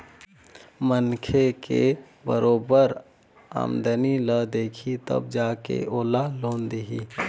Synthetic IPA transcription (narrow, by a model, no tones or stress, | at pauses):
mənkʰeke | bəɾoːbəɾ | a̰ːmd̪əniləd̪eːkʰit̪ə̰b̚d͡ʒaːkḛoːlaloːnd̪iɦḭ